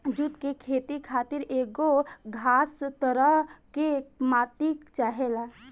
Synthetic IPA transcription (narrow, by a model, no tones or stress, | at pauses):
d͡ʒut̪kekʰeːt̪ikʰaːt̪ɪɾeːɡoɡʱaːst̪əɾəɦkemaːt̪ikt͡ʃaːɦela